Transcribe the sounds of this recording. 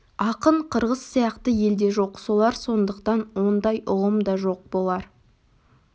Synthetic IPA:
ɑqəɴqʰəɾʁəsːijɑqt̪əje̞ld̪e̞ʒo̞qsolˠɑɾso̞nd̪əqt̪ɑnwo̞nd̪ɑjʊʁəmd̪ɑʒo̞q̚bo̞lˠɑɾ

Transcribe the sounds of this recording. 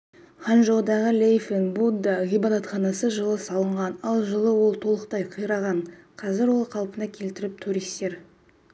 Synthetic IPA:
χɑnʒowˠd̪ɑʁəlʲejfenbud̪əʁʲibad̪ɑt̪χɑnɑsəʒəlˠəsɑlˠəɴʁɑnɑlˠʒəlˠəwo̞lˠt̪ʰo̞lˠəqt̪ɑjqʰəjɾɑʁɑɴqʰɑzɪɾwo̞lˠqʰɑlˠpənɑkʲʰe̞lt̪ɪɾɪp̚t̪ʰuɾist̪e̞ɾ

